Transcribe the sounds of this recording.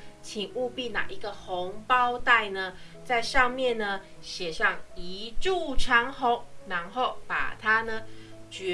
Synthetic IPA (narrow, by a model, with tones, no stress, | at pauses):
t͡ɕʰi˨˩ŋu˥˧pi˥˨na̰˨˩ʔi˧˥ɡə˨xo˨˧˦ŋpɑ˦˥ʊt̪a˥˩ɪnə˨ | t͡sa˥˧ɪʂɑ˥˧ŋmjɛ˥˨nnə˨ | ɕjɛ˨˩ʂɑ˥˨ŋi˧˦ʈ͡ʂu˥˩ʈ͡ʂʰɑ˧˥ŋxo˧˦ŋna˧˥ŋxo˥˨˩ʊpa̰˨˩t̪ʰa˦nə˨t͡ɕɥɛ˧˦